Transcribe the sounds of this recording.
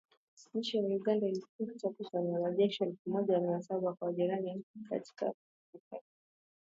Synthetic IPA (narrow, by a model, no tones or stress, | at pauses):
ɲ̩t͡ʃɛjajuɠandailikuitakusanaɾaʄɛʃɛlfumɔʄaminasaɓakwaʄiɾanim̩pika̰ti̥ka̰ | ika